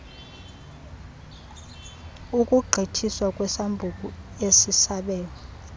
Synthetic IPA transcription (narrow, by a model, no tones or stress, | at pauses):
ukʼuɡ͡ǃʱitʰiswakʼwɛsambʱuk̬ʼuesisaɓɛːlɔ